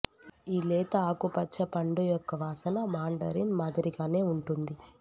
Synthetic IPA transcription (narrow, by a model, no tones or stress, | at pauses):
iːlɛːt̪ɐaːkupɐt͡ʃːʃɐpɐɳɖujɔkːɐʋaːsɐnɐmaːɳɖɐɾinmaːd̪ɐɾiɡaːne̞ːuɳʈund̪i